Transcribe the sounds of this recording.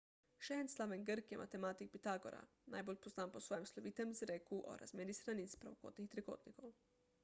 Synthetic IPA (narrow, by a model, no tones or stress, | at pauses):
ʃenslˠaʋenɡɾkjemʔa̰t̪emat̪ik̚pit̪aɡo̰ɾa̰ | najboʎʲpoznaːmposʋojemslˠoʋit̪emzɾekuʔo̰ɾa̰zmjed̪isɾanisi̥pɾaʋoko̰ːt̪nixt̪ɾeko̰ːt̪nikow